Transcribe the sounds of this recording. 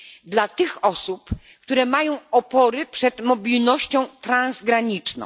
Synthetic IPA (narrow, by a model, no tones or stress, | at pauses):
d̪lat̪ɘxɔsup | kt̪uɾɛmajɔ̃w̃ɔpɔɾɘpʂɛd̪mɔbʲilnɔɕt͡ɕɔ̃w̃t̪ɾãnzɡɾaɲit͡ʂnɔ̰̃